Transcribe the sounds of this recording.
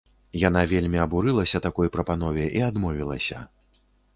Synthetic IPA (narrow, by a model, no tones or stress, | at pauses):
jan̪avʲelʲmʲiɐbuɾɨlˠɐsʲɐt̪akɔjpɾɐpan̪ɔvʲɛʔiad̪mɔvʲilˠɐsʲɐ̰